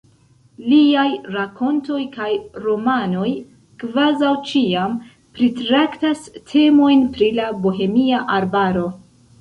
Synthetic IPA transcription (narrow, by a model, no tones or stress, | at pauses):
liajɾakʰo̞nto̞jkajɾo̞mano̞j | kvazawt͡ʃiam | pɾitɾaktastʰe̞mo̞jnpɾilabo̞ɦe̞miaʔaɾbaɾo̞